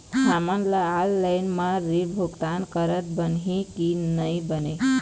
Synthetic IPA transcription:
samanləalːajnmaɾibʱukt̪ankəɾət̪̚bənɦĩkinəjbəne

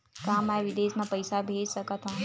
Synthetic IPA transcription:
kamaʋid̪esmãpəjsabʱed͡ʒsəkət̪ʰɦɔ̃

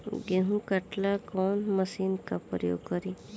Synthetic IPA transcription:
ɡeɦũkɐʈlakɔnməsiːnkapɾjo̰ːɡkəɾi

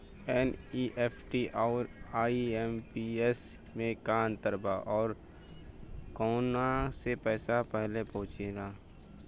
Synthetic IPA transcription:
ɛːniːʔeːpʰʈiʔɔːɾaːiempiesmẽkaːnt̪əɾbaʔɔːɾ | kɔːnasepɛːsapɛɦlepɔɦʊ̃t͡ʃeɡaː

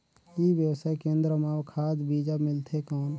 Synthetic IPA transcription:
ibjəwsaːekẽːnd̪ɾəmaːwkʰaːd͡ʒbiːd͡ʒamɪlt̪ʰekɔːn

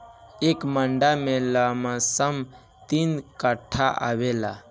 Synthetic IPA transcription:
ekməɳɖamẽlamãsəm | t̪inkəʈʰːaʔa̰ʋela

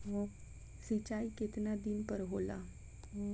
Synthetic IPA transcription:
o | sit͡ʃaːikɪt̪nad̪ɪnpəɾɦoːla̰ | oː

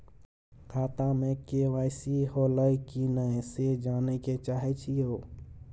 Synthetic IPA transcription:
kʰaːt̪amekeʋaːjsiholəikinəsed͡ʒaneket͡ʃaɦɛt͡ʃʰio

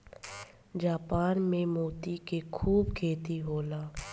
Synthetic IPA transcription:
d͡ʒaːpaːnmẽmoːt̪ikekʰuːbkʰeːt̪iɦoːlaː

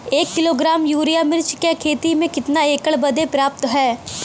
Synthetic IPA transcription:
eːkːɪloːɡɾaːmjuːɾijamɪɾt͡ʃkekʰeːt̪imẽkɪt̪naeːkəɭbɐd̪epɾaːp̚t̪ɦɛː

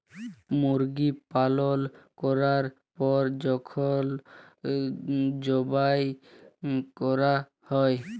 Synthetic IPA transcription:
muɾɡipalolkɔɾaɾ | pɔɾd͡ʑɔkʰol | d͡ʑɔbaj | kɔɾa | hɔe

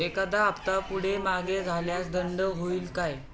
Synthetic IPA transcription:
ekad̪aːpt̪apuɽ̤emaɡed͡zʱaljasd̪əɳɖəɦoiːlkaj

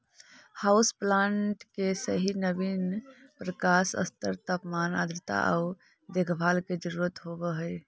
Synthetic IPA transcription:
hausplãɳʈkesəɦinəbinpɾəkasə̰st̪əɾt̪apmana̰d̪ɾɪt̪a̰ʔa̰ | d̪ekʰbʱalked͡ʒəɾuɾət̪ɦobəɦəj

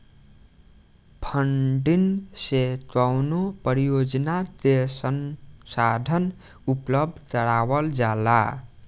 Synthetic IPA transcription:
pʰəɳɖinset̪awnopəɾijod͡ʒnad̪esənsad̪ʱən | upləb̚d̪ʱtəɽawəld͡ʒala̰

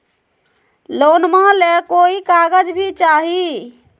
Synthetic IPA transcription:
lonmalekoikaɡəd͡ʒbʱit͡ʃaɦi

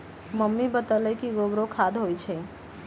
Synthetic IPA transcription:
məmːibət̪əlɛkiɡoɡɾokʰad̪ʱɦojt͡ʃʰɛ

